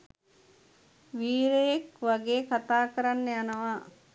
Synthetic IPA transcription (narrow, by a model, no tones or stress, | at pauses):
ʋiːɾejekʋaɡeːkat̪aːkəɾanːejanəʋaː